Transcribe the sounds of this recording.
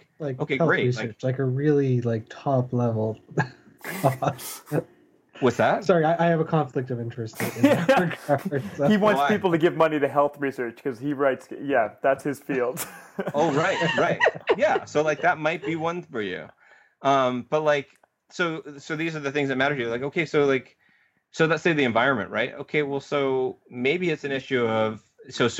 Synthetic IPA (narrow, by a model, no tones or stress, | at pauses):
laɪkoʊkeɪhɛlˠɹeɪɹisɜ˞t͡ʃlaɪkɨɹɪlˠilaɪk̚tʰɑplɛvl̩ˠ | kʰɑs | wʌtsðæt̚ssɑɹiaɪʔaɪɨvəkʰɑ̃ɱflɨk̚tʌvɪ̃nt͡ʃɹ̥ɨstɨ̃ə˞kə˞hiwɑ̃nspipl̩ˠtɨɡɪvmʌniɾɨɦɛlˠθɹisɜ˞t͡ʃkʰʌz̥iɹaɪtsjæðætshɨz̥filˠd̥oʊɹaɪtɹaɪt̚jæsoʊlaɪk̚ðɨt̚maɪt̚b̥iwʌ̃nfə˞jʉ̰ | ʌ̃mb̥ʌt̚ˡlaɪk | soʊsoʊðizə˞ðɨθɪ̃ŋzðɨt̚mæɾə˞ɾjɨlaɪkoʊkʰeɪsoʊlaɪk | soʊðətseɪðiɨ̃ɱvaɪɹɨ̃nmɨ̰̃nʔɹʔaɪt̚o̰ʊkʰeɪwɛlˠsoʊmeɪbiɨtsɨ̃nɪʃʉʌv̥ | soʊs